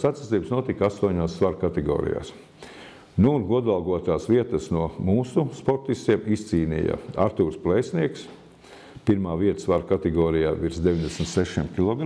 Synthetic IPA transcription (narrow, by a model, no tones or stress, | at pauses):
sat̪si̥iːbsnuɔt̪ikast̪uɔɲaːssːvaɾkat̪ɛɡɔ̰ːɾḭja̰ːs | nuːnɡuɔd̪alˠɡuɔt̪aːsʋiɛt̪əsnuɔmuːsuspɔɾt̪ist̪iɛmist̪siːnḭja̰aɾt̪uːɾsplˠɛjsniɛks | piɾmaːʋiɛt̪ə̥svaɾkat̪ɛɡɔːɾijaːʋiɾsd̪eʋiɲʲd̪esm̩t̪sɛʃimkʲilˠɔɡɾ